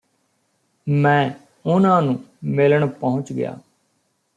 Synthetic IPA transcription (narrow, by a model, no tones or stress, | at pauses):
mɛ̃ː | ʊnãːnũːmɪləɳpəɦʊ̃t͡ʃɡɪja̰ː